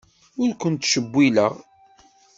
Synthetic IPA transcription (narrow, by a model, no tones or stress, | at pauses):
ʊɾkʷənt̪ːʃəbʷːilə̰ʁ